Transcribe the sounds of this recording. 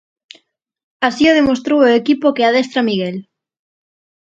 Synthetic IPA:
asioð̞emost̪ɾowoekipokeað̞est̪ɾamiɣel

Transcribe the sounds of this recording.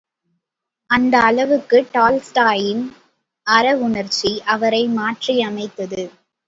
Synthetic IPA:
ɐnd̪ɐːlɐʋɯkːɯʈaːlsʈaːjɪn | ɐɾɐʋʊɳɐɾt͡ʃiʔɐʋɐɾɐɪmaːʈriɐmɐɪt̪ːɐðɯ

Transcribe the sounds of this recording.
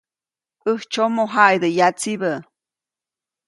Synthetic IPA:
ɨht͡ʃomoɦajd̪ɨjat͡sibə

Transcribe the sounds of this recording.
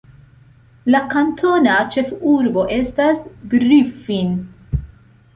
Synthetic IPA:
lakantʰo̞nat͡ʃe̞fuɾbo̞ʔe̞stasɡɾifin

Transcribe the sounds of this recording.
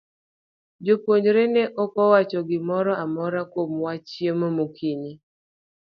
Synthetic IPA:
d͡ʒopwoɲd͡ʒɾenɛʔɔkɔwat͡ʃɔɡɪmɔɾɔʔamɔɾakomwat͡ʃjemomokʰiɲi

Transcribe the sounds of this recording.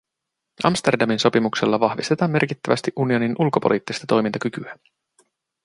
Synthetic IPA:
ʔɑ̰mst̪e̞rdɑminso̞pimukse̞lːɑʋɑhʋist̪e̞t̪ɑːmːe̞rkit̪ːæʋæst̪iʔunio̞ninʔulko̞po̞̰lʔḭːt̪ːist̪ɑt̪o̞jmint̪ɑkykyæ

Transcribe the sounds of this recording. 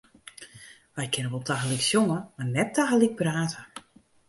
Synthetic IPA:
ʋɛjkʰɪnəʋɔlˠtʰaxəliksjoŋəmarnɛtʰːaxəlik̚praːtʰə

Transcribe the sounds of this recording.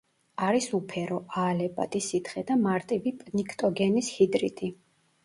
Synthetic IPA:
aɾisupʰɛɾɔʔaːlɛpʼa̰t̪ʼisit̪ʰχɛd̪amaɾt̪ʼivipʼnikʰt̪ʼɔɡɛnishid̪ɾḭt̪ʼi

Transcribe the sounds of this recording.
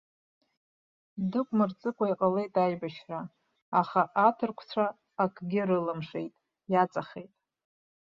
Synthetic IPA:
dɨkʷʼmɨrt͡sʼɨkʷʰʼaiqʼale̞jtʼajbaʃraː | χaʔatʰɨrkʷʰt͡sʷʰaː | kʰɡʲɪɾɨlamʂe̞̰jtʼ | jat͡sʼaχejtʼ

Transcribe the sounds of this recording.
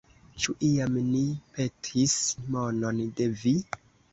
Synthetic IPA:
t͡ʃuʔiamnipe̞tʰismono̞nde̞vi

